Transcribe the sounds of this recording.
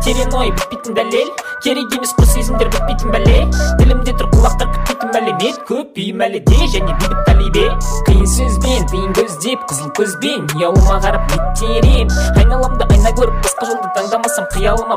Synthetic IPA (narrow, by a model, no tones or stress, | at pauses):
t̪ʰe̞ɾe̞no̞jbɪt̪̚pejt̪ɪnd̪ælːe̞lkʲʰe̞ɾejɡ̪ʲe̞mesqʰʊɾsezɪmd̪e̞ɾbʲɪt̪̚pejt̪ɪnbælelbɪlɪmd̪et̪ʰʊɾqʰəlˠɑqt̪ɑɾkʲʰʏ̥t̪̚pejt̪ɪnmæleme̞t̪̚kʲʰɵp̚bʏjɪmælɪd̪eʒæne̞bib̪ɪt̪ʰɑlibeqʰəjənsɵzbent̪ʰəjəŋkʲʰɵzd̪e̞p̚qʰəzəɴkʲʰɵzbe̞nːijɑw̪ˠəmɑʁɑɾəp̚mʲet̪ʰːeɾeɑjnɑlˠɑmd̪əʔɑjnɑkʲʰɵɾɪp̚bət̪qəʒəlˠd̪ət̪ʰɑɴd̪ɑmɑsɑɴqʰəjɑlˠənɑ